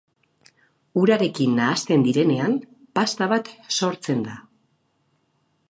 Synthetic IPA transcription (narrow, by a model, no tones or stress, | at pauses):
uɾaɾe̞kinːaːst̪e̞nd̪iɾe̞ne̞an | past̪aβat̪so̞ɾt͡se̞nd̪a